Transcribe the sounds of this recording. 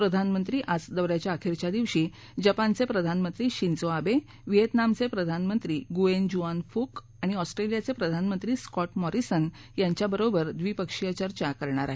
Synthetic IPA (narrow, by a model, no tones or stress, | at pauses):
pɾəd̪ʱanmənt̪ɾiːʔat͡sd̪əʋɾjat͡ɕjaːkʰiɾt͡ɕjad̪iʋɕiː | d͡ʑəpant͡sepɾəd̪ʱanmənt̪ɾiːɕint͡soabe | ʋiɦet̪namt͡sepɾəd̪ʱanmənt̪ɾiːɡuend͡ʑuanfuk | aɽ̃iɔsʈɾelijat͡sepɾəd̪ʱanmənt̪ɾiːskɔʈmɔɾisən | jaɲt͡ɕjabəɾobəɾd̪ʋiːpəkʂijət͡ɕəɾt͡ɕakəɾɳaɾa̰ɦe